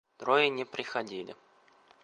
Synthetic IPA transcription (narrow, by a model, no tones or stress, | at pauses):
t̪ɾojɪnʲɪpɾʲɪxɐdʲilʲɪ̰